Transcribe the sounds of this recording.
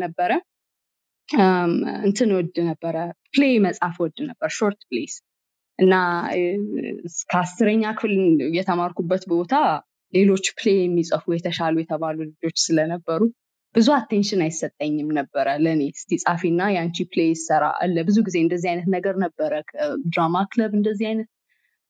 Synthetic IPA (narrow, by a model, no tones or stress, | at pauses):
nəbːəɾə | ɨnt̪ʰɨnwɔd̪nəbːəɾəpleməsʼafwɔd̪ːnəbːəɾʃo̞ɾt̪ples | ʔɨnːa | kʰəasːɨɾəɲːakʰɨfljɛt̪ʰəmaɾkubːət̪bo̞t̪ʰa | le̞lo̞t͡ʃːplejɛmːisʼəfujɛt̪ʰəʃalujɛt̪ʰəβalulɨd͡ʒo̞t͡ʃːsɨlənəbːəɾu | b̥ɨzuat̪ːenʃɪnajsːət̪ʼːəɲːɨmnəbːəɾələne̞st̪ʰisʼafinːajant͡ʃiplejsəɾa̰ʔa̰lːəbɨzuɡize̞ɨnd̪əzːihajnət̪nəɡəɾnəbːəɾəkʰəd̪ɾamakləbɨnd̪əzːihajnət̪̚